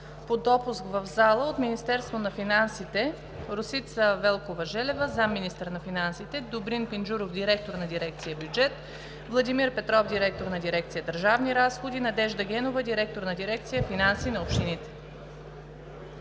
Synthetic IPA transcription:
pod̪ɔpuskvəvzalˠəot̪minist̪ɛɾst̪vonɐfinansit̪ɛ | ɾosit̪səvɛlˠkovəʒɛlɛvəzamːinist̪əɾnɐfinansit̪ɛd̪obɾinpinʒuɾofd̪ʲiɾɛk̚t̪oɾnɐd̪iɾɛk̚t̪sijəbjud͡ʒɛt̪ | vlˠɐd̪imiɾpɛt̪ɾɔfd̪iɾɛk̚t̪oɾnɐd̪iɾɛkt̪sijəd̪əɾʒavniɾasxod̪inɐd̪ɛʒd̪əɡʲɛnovəd̪iɾɛk̚t̪oɾnɐd̪iɾɛk̚t̪sijəfinansinɐopʃt̪init̪ɛ̥

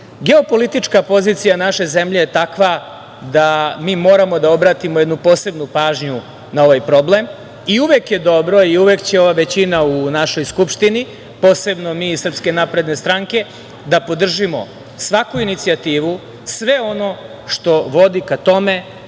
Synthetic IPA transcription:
ɡe̞o̞po̞lit̪it͡ʃkapo̞ziːt̪sijanaʃe̞ze̞mʎe̞jet̪akʋa | d̪amiːmo̞ːɾamo̞d̪ao̞bɾaːt̪imojed̪nupo̞ːse̞bnupaːʒɲu | nao̞ʋajpɾo̞ble̞m | iuʋekje̞d̪o̞bɾo̞iuʋekt͡ɕe̞o̞ʋaʋe̞t͡ɕinaunaʃo̞jskupʃt̪ini | po̞ːse̞bno̞miːisr̩pske̞napɾe̞d̪ne̞st̪ɾaŋke̞ | d̪apo̞d̪r̩ʒimo̞̰ | sʋakuinit̪sijat̪iːʋu | sʋe̞o̞no̞ | ʃt̪o̞ʋo̞d̪ikat̪o̞me̞

